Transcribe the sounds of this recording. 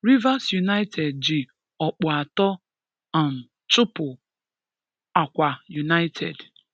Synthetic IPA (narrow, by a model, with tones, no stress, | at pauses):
ɾi˦va˦sju˨na˦ɪtʰe˨d̚d͡ʒɪ˨ | ɔ˨k͡pɔ˨a˨tɔ˦ | a˨m̩˨ | t͡ʃʊ˦pʊ˨ | a˨kʷa˨ju˨na˦ɪ˦tʰe˨d